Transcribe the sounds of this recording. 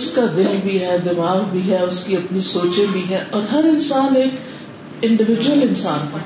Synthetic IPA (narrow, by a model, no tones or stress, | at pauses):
skad̪ɪlbʱiɦɛd̪ɪmaːɣbʱiɦɛʊskiɐpnisoːt͡ʃẽbʱiɦɛɔːɾɦɐɾɪnsaːneːk | ɪ̃ɳɖɪʋɪd͡ʒwəlɪnsaːnpɐ